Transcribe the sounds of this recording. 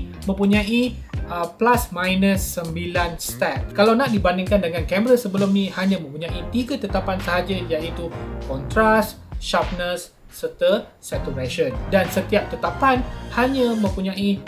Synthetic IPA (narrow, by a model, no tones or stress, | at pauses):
mə̃mpuɲãʔi | ʔəplasmãjnəsːəmbilanst̪ɛp̚kalawnaʔdibandɪŋkandəŋankɛmɾəsəbəlʊmnĩhaɲãmə̃mpuɲãʔit̪iɡat̪ət̪apansəɦad͡ʒajait̪ukɔnt̪ɾas | ʃap̚nəsː | ərt̪əː | ɛt̪uɾɛʃəndansət̪iap̚t̪ət̪apanhaɲãmə̃mpuɲãi